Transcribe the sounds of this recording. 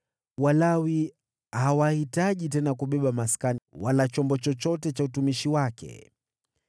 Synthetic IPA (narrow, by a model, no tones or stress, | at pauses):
walawi | hawahitaʄitɛnakuɓɛɓamaskanwalat͡ʃɔmbɔt͡ʃɔt͡ʃɔtɛt͡ʃautumiʃiwakɛ̰